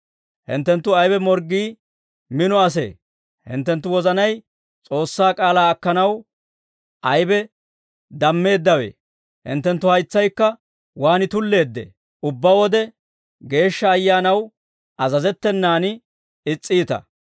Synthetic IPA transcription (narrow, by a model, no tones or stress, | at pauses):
hɪ̰nt̪ːɛnt̪ːʊɐjbɛmɔɾɡiː | mɪnɔɐs̬ḛː | hɪ̰nt̪ːɛnt̪ːʊwɔzɐnɐj | t͡sʼo̞ːsːaːkʼaːlaːɐkːɐnɐw | ʔɐjbɛ | d̪ɐmːe̞ːd̪ːɐwe̞̰ː | hɪ̰nt̪ːɛnt̪ːʊhɐjt͡sːɐjkːɐ | waːnɪt̪ʊlːe̞ːd̪ːḛː | ʔʊbːɐwɔd̪ɛ | ɡe̞ːʃːɐːjːaːnɐw | ʔɐzɐzɛt̪ːɛnːaːnɪ | ɪt͡sʼːiːt̪ɐ̰